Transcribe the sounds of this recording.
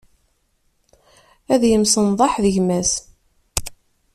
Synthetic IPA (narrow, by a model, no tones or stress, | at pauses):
æðjəmsənðˤɑħðəʝmæs